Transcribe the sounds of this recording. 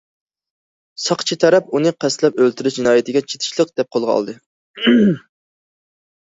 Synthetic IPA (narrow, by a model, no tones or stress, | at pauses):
sɑqt͡ʃʰit̪ʰɛɾɛpunɨqʰæst̪lɛpølt̪ʰyɾyʃd͡ʒinɑːjɪt̪ʰɪɡʲɛt͡ʃʰe̥t̪ʰɪ̥ʃlˠəq̚d̪̥ɛp̚qʰolˠʁɑɑ̰lˠd̪ɨ